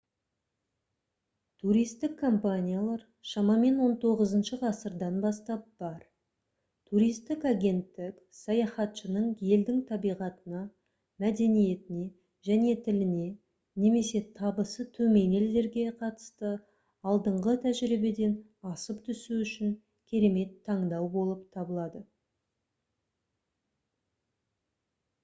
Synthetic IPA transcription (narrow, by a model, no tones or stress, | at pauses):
t̪ʰuɾijst̪ɪkʰːo̞mpanʲijalˠɑɾ | ʃɑmɑme̞nwo̞nt̪ʰo̞ʁəzənʃəqʰɑsəɾd̪ɑnbɑst̪ɑp̚b̥ɑɾ | t̪ʰuɾijst̪ɪkɑɡʲe̞nt̪ːɪk | sɑjɑχɑt̪ʃənəɴje̞ld̪ɪŋt̪ʰɑbijʁɑt̪ənɑ | mæd̪e̞nije̞t̪ɪne̞ | ʒæne̞t̪ʰɪlɪne̞ | ne̞me̞se̞t̪ʰɑbəsət̪ʰɵme̞ne̞ld̪e̞ɾɡʲe̞qʰɑt̪ə̥st̪ə | ɑlˠd̪əɴʁət̪ʰæʒɪɾibe̞d̪e̞n | ɑsəpt̪ʰʏsuʏʃɪŋ | kʲʰe̞ɾe̞me̞t̪ʰːɑɴd̪ɑwbo̞lˠəp̚t̪ʰɑbəlˠɑd̪ə